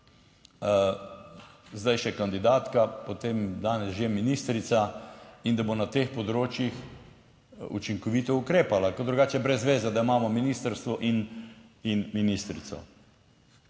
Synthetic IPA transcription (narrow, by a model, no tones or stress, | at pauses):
zd̪ajʃɛkand̪id̪aːt̪kapot̪emd̪aːnɛsʒeminiːst̪ɾit̪saind̪abonat̪eːxpɔd̪ɾoːt͡ʃjix | ṵt͡ʃiŋkɔʋiːt̪ɔukɾeːpalakɔd̪ɾuɡaːt͡ʃɛbɾɛzːʋeːzad̪aimaːmɔminiːst̪əɾst̪ʋɔʔininminist̪ɾḭt̪sɔ̰